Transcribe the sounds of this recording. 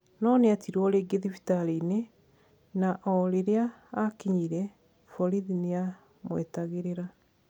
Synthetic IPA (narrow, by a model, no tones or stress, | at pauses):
nɔneatʰiɾwɔleɡeðifi̥taline | naʔɔɾeɾeaːkiɲiɾɛ | fɔɾiðinea | mwḛtaɣeɾeɾa